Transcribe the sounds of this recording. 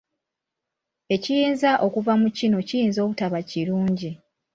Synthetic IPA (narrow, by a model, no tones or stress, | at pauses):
e̞cijiːnzaʔo̞kuvamucino̞cijiːnzo̞ːβutaβaciɾuːɲɟi